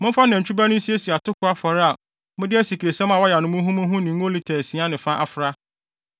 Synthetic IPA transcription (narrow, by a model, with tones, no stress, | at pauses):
mʊ̃˦fa˦nã˨t͡ɕᶣu˦ba˦nʊ̃˦n̩˦si˦e˦si˨a˨tʰʊ˦kʰʊ˨˦a˦fɔ˨ɾɪ˦a˨ | mʊ̃˦dɪ˦æ˦si˨kʰɾe˨sɛ̃˦mã˨wɔ˦ja˨nʊ̃˦mʊ̃˦ɦũ˦mʊ̃˦ɦũ˦nɪ̃˨ŋ̩˦o˦li˦tʰɛ˨sĩ˨˦a˦nɪ̃˨fã˦ʔa˨fʊ˨ɾa˦